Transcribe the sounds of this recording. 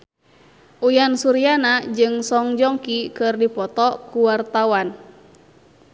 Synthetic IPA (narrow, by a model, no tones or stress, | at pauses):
ʔujansuɾianad͡ʒɨŋsɔŋd͡ʒɔŋkikɨrdipɔt̪ɔkuwart̪awan